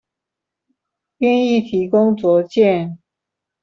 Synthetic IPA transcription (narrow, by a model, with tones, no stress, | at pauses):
ɛ˥˧ni˥˩t̪ʰi˧˥kʊ˥ŋt͡swɔ˨˧˥t͡ɕjɛ˥˨n